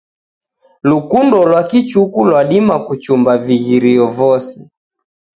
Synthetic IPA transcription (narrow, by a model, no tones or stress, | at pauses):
lukundɔlwakit͡ʃukulwaɗimakut͡ʃumbaviɣiɾiɔvɔsi